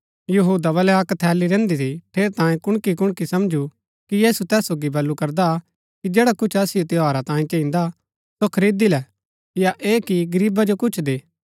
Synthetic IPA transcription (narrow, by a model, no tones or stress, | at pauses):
jɐɦuːd̪aβɐlɛaːkt̪ʰɛːliɾɛ̃ːnd̪it̪ʰiʈʰeːɾt̪ãːjẽkʊɽ̃kikʊɽkisɐmd͡ʒʱu | kijeːsut̪ɛːsoːɡibɐlːukɐɾd̪a | kid͡ʒeːɽakʊt͡ʃʰɐsɪjot̪ɪaːɾat̪ãːĩt͡ʃɐ̃ĩːnd̪a | sokʰɐɾiːd̪ilɛ | jaʔeːkiɡɐɾiːbad͡ʒokʊt͡ʃʰd̪eː